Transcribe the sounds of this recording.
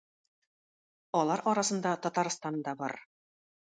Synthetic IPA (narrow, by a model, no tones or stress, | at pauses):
ɒlˠɑɾʔɒɾɑsɤ̆nd̪ɑt̪ɒt̪ɑɾst̪ɑnd̪ɑbɒɾ